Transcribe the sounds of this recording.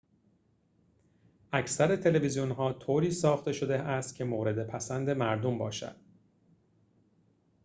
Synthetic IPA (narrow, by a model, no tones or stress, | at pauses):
ʔæcʰsæɾe̞t̪ʰe̞le̞vizijonɦɒːt̪ʰoːɾiːsɒːxt̪e̞ʃo̞d̪eæst̪̚cʰe̞moːɾe̞d̪e̞pʰæsænd̪e̞mæɾd̪ombɒ̰ːʃæ̰d̪̥